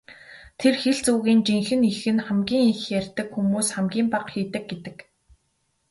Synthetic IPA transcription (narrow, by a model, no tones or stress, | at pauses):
t̪ʰerxeɮt͡suːɣiːnt͡ɕiŋxɘ̆nixɘ̆nχæmɡʲiːŋixjærʲt̪ɘ̆kxumuːsχæmɡʲiːmpaqxiːt̪ɘ̆k̚ɡet̪ɘ̆k